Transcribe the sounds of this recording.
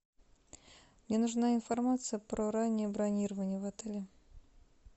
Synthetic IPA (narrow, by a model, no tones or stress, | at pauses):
mnʲenʊʐnaɪnfɐrmat̪sɨjəpɾoɾanʲːɪjəbɾɐnʲiɾəvənʲɪjəvɐt̪ɛlʲɪ